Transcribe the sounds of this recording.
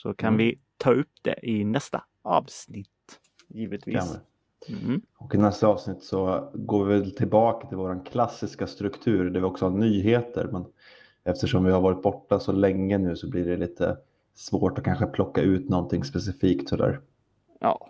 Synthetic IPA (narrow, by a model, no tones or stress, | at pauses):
sɔkʰanvɪt̪ʰɑːɵpːd̪̥ɛ̰ʔɪnɛst̪a̰ | ɑːvsnɪt̪ː | jiːvət̪vi | ɔkɪnɛst̪aɑːvsnɪt̪ːsɔɡoːvɪvɛlt̪ʰɪlbɑːkat̪ʰɪlvoːɾankʰlasːɪskast̪ɾɵkt̪ʰʉ̟ːɾɖɛvɪlɔksɔhanyːɦeːt̪ə̰ɾmɛn | ɛft̪əʂɔmvɪhaɾvɑːɾɪt̪̚bɔʈːasɔlɛŋːənʉ̟ːsɔblɪɖɛliːt̪ʰə̰ | svoːʈɔkʰanɧəpʰlɔkːaʉ̟ːt̪nɔnt̪ʰɪŋːspɛsɪfiːkt̪sɔd̪æ̰ːɾ | jɑ̰ː